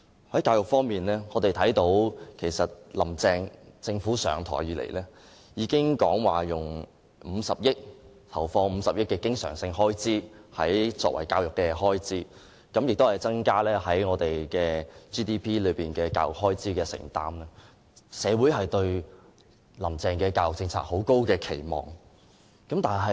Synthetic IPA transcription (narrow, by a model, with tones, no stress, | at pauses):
hɐ˨˥jkaː˧wjʊ˨˩k̚fɔː˥ŋmiː˨nlɛː˥ŋɔː˨˧t̪e˨jt̪ʰɐ˨˥jt̪o˨˥wkʰe˨˩jsɐ˨t̚lɐ˨˩mt͡sɛː˧ŋt͡sɪ˧ŋfuː˨˥sœ̰ː˨˩ŋt̪ʰɔ̰˨˩jyː˨lḛ˨˩jlɛː˥ | jiː˨˧kɪ˥ŋkɔː˨˥ŋwaː˨˩jʊ˨˩ŋ | m̩ː˨˧sɐ˨p̚jɪ˥k̚ | t̪ʰɐ˨˩wfɔː˧m̩˨˧sɐ˨p̚jɪ˥k̚kːɛː˧kɪ˥ŋsœː˨˩ŋsɪ˧ŋɦɔː˥jt͡siː˥hɐ̰˨˥jt͡sɔ̰ː˧k̚wɐ̰˨˩jkaː˧wjʊ˨kːɛː˧hɔː˥jt͡siː˥ | kɐ˨˥mjɪ˨k̚t̪o˥whɐ˨˩jt͡sɐ˥ŋkaː˥lɛː˥ɦɐ˨˥jŋɔː˨˧t̪e˨˩jkɛː˧t͡ʃiː˥t̪iː˥pʰiː˥lɵ˨˧ɥpiː˨˩nkɛː˧kaː˧wjʊ˨k̚ɦɔː˥jt͡siː˥kɛː˧sɪ̰˨˩ŋt̪aː˥mlɛ˥ | sɛː˨˧wuː˨˥jɦɐ˨jt̪ɵ˧ɥ | lɐ˨˩mt͡sɛː˨˧ŋkɛː˧kaː˧wjʊ˨k̚t͡sɪ˧ŋt͡sʰa̰ː˧k̚ho˨˥wko˥wkɛː˧kʰe˨˩jmɔ̰ː˨˩ŋ | kɐ˨˥mt̪aː˨˩nɦɐ˨